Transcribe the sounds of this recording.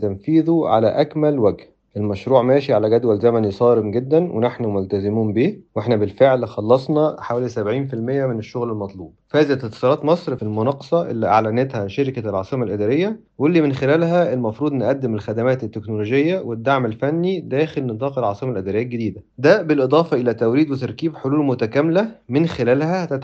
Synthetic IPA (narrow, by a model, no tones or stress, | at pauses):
t̪æmfiːðuʕa̰læ̰ʔækmælwæɡh | ʔelmæʃɾuːʕmæːʃiʕalæɡæd̪wælzæmænisˤɑːɾemɡed̪ːænwʔḛnaħnumolt̪æzɪmuːmbiːweħnæbelfeʕlxɑlːɑsˤnɑħawæːlisæbʕiːnfilmejːæmeneʃːoɣlelmɑt̪ˤluːb̚fæːzæt̪ːet̪ːsˤɑlɑːt̪mɑsˤɾfilmonɑqːɑ̥sˤɑʔḛlːiʔaʕlænet̪hæʃeɾɪkælʕɑ̰sˤɨmælʔɪd̪æɾejːæ | welːiːmenxelæːlɦæelmɑfɾuːd̪ˤnʔæd̪ːɪmelxæd̪æmæːt̪et̪ːeknoloːʒejːæwed̪ːaʕmelfænːid̪æːxelnɨt̪ˤɑːqelʕɑsˤɨmælʔɪd̪æɾejːælɡed̪iːd̪æd̪æbelʔed̪ˤɑːfɑʔelæːt̪æwɾiːd̪wet̪ɑɾˤkiːbħoluːlmʊt̪ækæmlæmenxelæːlhæt̪æ